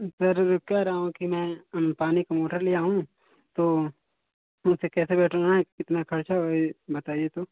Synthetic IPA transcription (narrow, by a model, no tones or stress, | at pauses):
sɐɾkɛɦɾɐɦaõkimɛ̃paːnikamoːʈəɾlijaɦũ | t̪oː | ʊsekɛːsebɛːʈʰonaɦɛkɪt̪nakʰɐɾt͡ʃaoibɐt̪aːiet̪oː